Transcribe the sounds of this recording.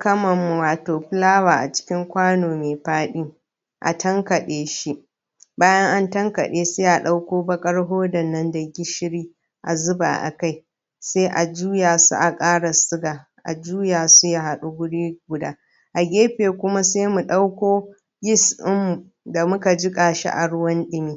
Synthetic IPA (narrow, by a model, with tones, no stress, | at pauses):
kɐ˦mɐ˨mːu˨waː˨toː˨ɸɪ˦laː˦waː˨ʔa̰˨t͡ʃɪ̥˦kʲɪ˦ŋkʷaː˦noː˨meː˨ɸaː˦ɗi˦ | ʔa̰˨tʰɐ˦ŋkɐ˨ɗeː˦ʃi˦ʔ | baː˦jɐ˦ŋʔa˦ntɐ˦ŋkɐ̰˨ɗeː˦seː˦ʔa˨ɗa˦wkʷoː˦bɐ˦kʼɐ˦ɽɦoː˦dɐ˨nːɐ˦ndɐ˨ɡʲɪ˦ʃɪ˦ɽiː˦ | ʔa̰˨zʊ˦ba̰ː˨ʔa̰˨ka˦j | seː˦ʔa˨d͡ʒuː˦jaː˨sṵ˦ʔa˨kʼaː˦ɽa˨sʊ˦ɡaː˨ | ʔa̰˨d͡ʒuː˦jaː˨su˦ja˦˨ɦa˨ɗu˦ɡʷʊ˦ɽiː˦ɡʷʊ˨daː˦ | ʔa˨ɡʲeː˦ɸeː˨kʷʊ˦ma˦se˦mu˨ɗa˦wkʷoː˦ | ɡʲɪ˦sʔɪ˦mːu˨ | da˨mʊ˦ka˨d͡ʒɪ˦kʼaː˨ʃa̰˦ʔa̰˨ɽʊ˦wɐ˦nɗɪ˦miː˦